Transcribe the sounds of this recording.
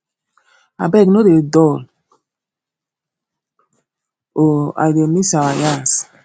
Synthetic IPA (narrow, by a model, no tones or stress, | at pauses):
a̰bɛknodedɔl | oa̰demisawajas